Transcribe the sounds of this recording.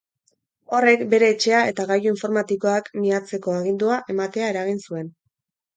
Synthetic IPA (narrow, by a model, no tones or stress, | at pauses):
o̞re̞kbe̞ɾe̞ːt͡ʃe̞ae̞t̪aɣajuiɱfo̞ɾmat̪iko̞akmiat͡se̞ko̞aɣ̞ind̪uaʔe̞mat̪e̞ae̞ɾaɣ̞insue̞n